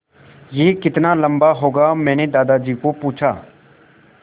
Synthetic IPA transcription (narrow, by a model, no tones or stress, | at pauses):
jeːkɪt̪naːləmbaːɦoːɡaːmɛ̃ːneːd̪aːd̪aːd͡ʒiːkoːpuːt͡ʃʰa̰ː